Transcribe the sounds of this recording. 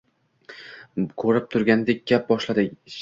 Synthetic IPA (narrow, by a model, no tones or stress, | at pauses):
kʰɵɾɪp̚t̪ʰʊɾɡʲand̪e̞k̚ʲɡ̥ʲap̚bɒʃlad̪ɪ